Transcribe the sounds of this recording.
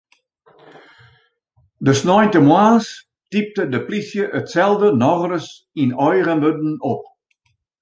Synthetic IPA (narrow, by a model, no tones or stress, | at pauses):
dəsnɔjntəmwaːs | tip̚tədəplisjəʔətsɛlˠdənɔɣrəs | inɔjrənbødn̩ɔp̚